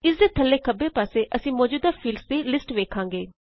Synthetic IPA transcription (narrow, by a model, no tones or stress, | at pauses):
ɪsd̪eːt̪ʰəlːeːkəbeːpaːseːʔəsĩːmɔːd͡ʒuːd̪aːpʰiːlst̪eːlɪsʈʋeːkʰãːŋɡeː